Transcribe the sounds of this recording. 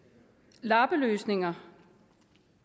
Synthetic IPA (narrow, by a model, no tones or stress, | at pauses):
lɑ̈ːb̥əløːsne̝ŋɐ